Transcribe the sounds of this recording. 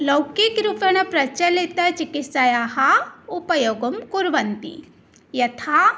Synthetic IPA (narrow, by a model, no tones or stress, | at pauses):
lɐwkikɾupɐɳ̃ɐpɾɐt͡ʃɐlit̪ɐt͡ʃikisajaɦɐupɐjoɡɐmkuɾʋɐnt̪ḭ | jɐt̪ʰa